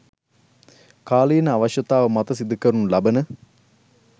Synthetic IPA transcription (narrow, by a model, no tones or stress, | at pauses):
kaːliːnəaʋɐʃjɐt̪aːʋɐmɐt̪ɐsid̪ukəɾunulɐbɐnə